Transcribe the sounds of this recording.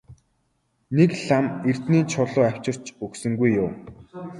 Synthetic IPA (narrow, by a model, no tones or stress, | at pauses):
nekɮamer̥t̪niːnt͡ɕʰʊɮʊːaw̥t͡ɕɪ̆r̥t͡ɕɵksɵ̆ŋɡujːʊw